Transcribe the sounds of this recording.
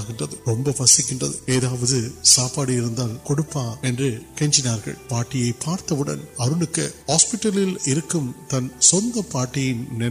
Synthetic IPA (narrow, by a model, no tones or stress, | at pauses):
ɣɪndrɐðɯɾɔmbɐpɐsɪkʲːɪndrɐðɯeːðaːʋɐðɯsaːpaːɽɯɪɾɯnd̪aːlkɔɽɯpːaːɛndrɯkɛɲd͡ʒɪnaːɾɣɐ̰ɭpaːʈːɪjɐɪpaːɾt̪ɐʋɯɽɐ̰nɐɾɯɳɯkːɐhaːspɪʈːɐlɪlɪɾɯkːɯmt̪ɐnsɔnd̪ɐpaːʈːɪjɪnnɛ